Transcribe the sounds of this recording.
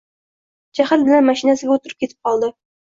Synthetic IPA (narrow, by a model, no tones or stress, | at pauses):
d͡ʒæhælbɘ̆lænmæʃinæsɘ̆ɡʲæut̪ʊ̆ɾɤp̚kʲit̪ʰɪ̥p̚qɒlˠd̪ɤ